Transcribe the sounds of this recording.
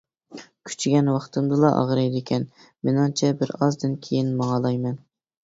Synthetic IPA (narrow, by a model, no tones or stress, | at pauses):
kʲʰy̥t͡ʃʰɡʲɛnwɑχt̪ɨmd̪ɨlˠɑʔɑ̰ʁɾɑjd̪ɪkʲʰɛn | mɪnɑŋt͡ʃʰɛbɪɾɑzd̪ɨnkʲʰejinmɑŋɑlˠɑjmɛn